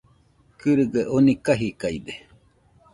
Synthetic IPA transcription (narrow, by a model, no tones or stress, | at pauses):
kɨɾɨɡeʔonikaɦikaid̪e